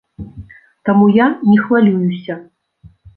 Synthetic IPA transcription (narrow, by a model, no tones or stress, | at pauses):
t̪amujanʲɛxvalʲujusʲɐ